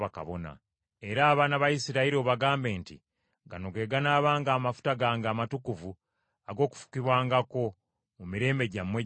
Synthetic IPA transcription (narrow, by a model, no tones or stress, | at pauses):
aka̰βo̰na̰ | e̞ɾaːβaːnaβajisiɾaiɾio̞βaɡaːmbe̞ːntḭ | ɡanoɡe̞ːɡanaːβaːŋɡaːmafu̥taɡaːŋɡaːmatukuvu | aɡo̞ːku̥fu̥kiβwaːŋɡako̞ | mumiɾe̞ːmbe̞ɟamːwe